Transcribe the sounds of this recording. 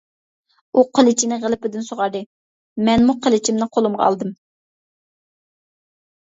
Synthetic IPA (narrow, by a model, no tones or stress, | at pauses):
uqʰəlˠɪt͡ʃʰinɪʁəlˠɪpɪd̪ɪnsoʁɑɾd̪ɨ | mɛnmuqʰəlˠɪt͡ʃʰimnɨqʰolˠumʁɑ̰ɑ̰lˠd̪ɨm